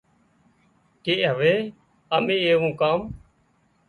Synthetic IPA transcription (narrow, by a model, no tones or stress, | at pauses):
keːʔɦəʋeː | əmĩːeːʋũːkaːm